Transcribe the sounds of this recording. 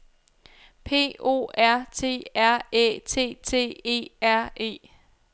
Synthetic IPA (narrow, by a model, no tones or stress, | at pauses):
pʰe̝̰ːo̝̰ːæɐ̰t͡sʰe̝̰ːæɐ̰ḛːt͡sʰe̝̰ːt͡sʰe̝̰ːe̝̰ːæɐ̰e̝̰ː